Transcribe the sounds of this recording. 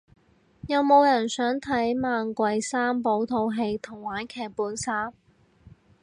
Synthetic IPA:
jɐ˨˧wmo˨˧wjɐ˨˩nsœː˨˥ŋt̪ʰɐ˨˥jmaː˨˧nkʷɐ˨˧jsaː˥mpo˨˥wt̪ʰo˧wɦe˧jt̪ʰʊ˨˩ŋwaː˨˥nkʰɛː˨˩k̚puː˨˥nsaː˥m

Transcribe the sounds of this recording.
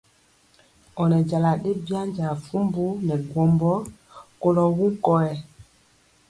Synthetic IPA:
ɔ˨nɛ˨d͡ʒa˨la˨ɗe˦bi˦a˦ɲd͡ʒa˨fu˦mbu˦nɛ˨ɡwɔ˨mbɔ˦ | ko˦lɔ˨wũ˦kɔ˦ɛ˨

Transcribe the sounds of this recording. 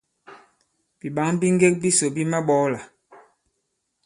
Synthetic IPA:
b̥i˨ɓa˨˦ŋbi˦ŋ˦ɡe˦k̚bi˦so˨bi˦ma˦ɓɔ˨˦la˨

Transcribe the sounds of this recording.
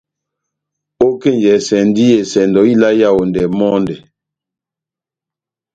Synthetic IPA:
o˦ke˦˨nd͡ʒɛ˨sɛ˨n˦di˦jɛ˨sɛ˨ndɔ˨i˦la˦ja˦˨wo˨ndɛ˨mɔ˦ndɛ˨

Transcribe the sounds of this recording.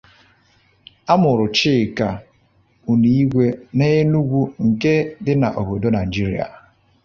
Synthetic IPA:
a˦mʊ˨ɾʊ˨t͡ʃɪ˦˨ka˨ | u˨ni˨˦i˦ɡʷe˦ne˦e˦nu˦ɡʷu˦ŋ̩˨ke˦dɪ˦na̰˨ʔo˨bo˨do˦na˨i˨d͡ʒi˦ɾi˨a̰˨

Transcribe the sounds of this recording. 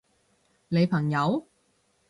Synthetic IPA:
ne˨˧jpʰɐ˨˩ŋjɐ˨˧w

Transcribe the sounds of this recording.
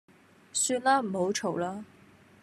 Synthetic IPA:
syː˧nlaː˥m̩˨˩ho˨˧˥wʈ͡ʂʰo˨˩wlaː˥

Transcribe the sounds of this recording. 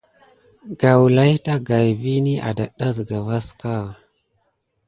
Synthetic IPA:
ɡa˨wla˦jta˦ɡa˨jvi˦ni˦ʔa̰˨da˨ɗa˦zɡa˨va˦ska˦˨

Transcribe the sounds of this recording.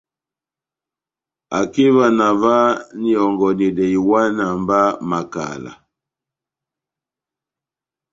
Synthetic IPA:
a˨ki˦va˦na˨va˦ni˦ɔ˨ŋɡɔ˨ni˨dɛ˨i˨wa˦na˨mba˦ma˨ka̰˨la̰˨

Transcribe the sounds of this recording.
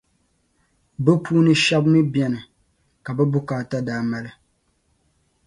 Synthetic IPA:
bɨ˦pʰuː˦nɨ˦ʃɛ˦bnɨ˦bjɛ˦nɨ˨ | ka˨bɛ˦bʊ˦kaː˨ta˦daː˨˦ma˦lɨ˦

